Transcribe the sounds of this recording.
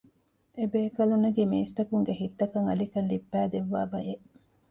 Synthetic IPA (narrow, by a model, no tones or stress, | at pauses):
ebeːkɐlunːɐɡiːmiːst̪ɐkuŋɡeɦit̪ːɐkɐŋɐlikɐnlibːæːd̪eʋːaːbɐjeʔ